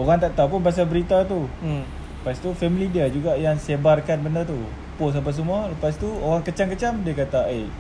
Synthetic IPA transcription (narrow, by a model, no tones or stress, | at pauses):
oɣaŋt̪aʔt̪ap̬ʊnpas̬albəɾit̪at̪u | past̪ufɛmilidiəd͡ʒuɡaʔjaŋsebarkanbəndərt̪u | pos̬ap̬as̬əmualəpast̪uoɣaŋkət͡ʃaŋkət͡ʃamdiəkat̪aʔe